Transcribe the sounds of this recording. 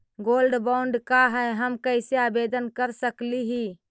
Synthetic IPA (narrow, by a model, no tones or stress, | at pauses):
ɡoːlɖbaʊɳɖkaɦɛɦəmkəɪseabed̪ənkəɾsəkliɦi